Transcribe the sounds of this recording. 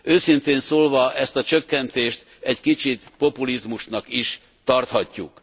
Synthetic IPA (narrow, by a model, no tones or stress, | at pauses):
ʔøːsint̪eːnsoːlvɒʔɛst̪ɒt͡ʃøkːɛnt̪eːʃt̪ | ɛɟkit͡ʃit̪po̞pulizmuʃnɒkiʃ | t̪ɒrt̪hɒcːṵk